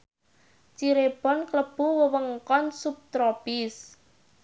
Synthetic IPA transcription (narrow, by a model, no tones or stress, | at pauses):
t͡ʃiɾeb̥ɔ̤nkləb̥uwəwəŋkɔnsup̚t̪ɾopɪs